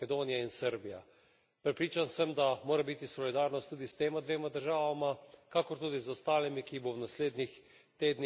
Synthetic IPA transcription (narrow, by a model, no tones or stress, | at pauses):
ɛd̪oːnijainsəɾbija̰ | pɾɛpɾiːt͡ʃansəmd̪amoːɾabit̪isɔlid̪aːɾnɔst̪ːuːd̪ist̪eːmad̪ʋeːmad̪əɾʒaːʋamakakɔɾt̪uːd̪izɔst̪aːlimikibownasleːd̪nix | t̪eːd̪n